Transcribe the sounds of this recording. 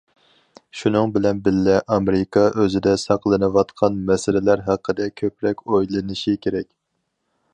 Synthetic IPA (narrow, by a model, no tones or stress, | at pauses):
ʃunɨŋbɪlɛnbɪlːɛʔɑmeɾɪkʰɑʔøzɪd̪ɛsɑqlˠɨnɨwɑt̪qʰɑnmɛsɪlɪlæɾɦæqʰːəd̪ɛkʲʰøpɾɛkʲojlˠɨnɨʃikʲʰeɾɛkʲ